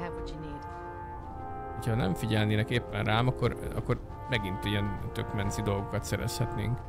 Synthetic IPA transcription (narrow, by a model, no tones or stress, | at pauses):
abt͡ʃineːt̪ | hochɒnɛ̰ɱfiɟɛlneːnɛkeːpːɛnrʔaːmɒkːorɒ̰kːo̞r | mɛɡint̪iɛnt̪økmɛnsid̪o̞lɡo̞kɒt̪sɛɾɛ̰shɛt̪nḛːŋk